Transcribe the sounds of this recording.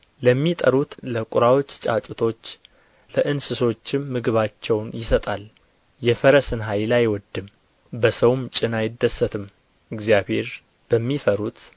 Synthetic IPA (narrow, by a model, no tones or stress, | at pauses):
ləmːit̪ʼəɾut̪ləkʼʊɾawot͡ʃːt͡ʃʼat͡ʃʼʊt̪ʰo̞t͡ʃː | ləʔɨnsɨso̞t͡ʃːɪmːɨɡɨβat͡ʃːɛwnjɪsət̪ʼal | jɛfəɾəsɨnɦajlajwɔd̪ɨm | bəsəwmt͡ʃʼɪnajɪd̪ːəsːət̪ʰɨm | ɨɡzjaβhe̞ɾ | b̥əmːifəɾut̪